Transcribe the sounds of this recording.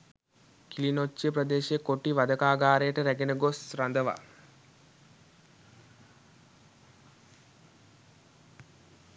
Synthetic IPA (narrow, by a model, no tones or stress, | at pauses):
kilinot͡ʃːəpɾɐd̪eːʃjəkoʈiʋad̪əkaːɡaːɾejəʈəɾæɡenəɡosɾand̪əʋa̰